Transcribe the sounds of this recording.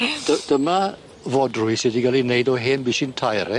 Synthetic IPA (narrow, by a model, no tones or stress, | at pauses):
d̥əd̥əma | vɔdrʊjsɪdiɡalinejdɔɦeːnbiːʃɪntʰajɾɛ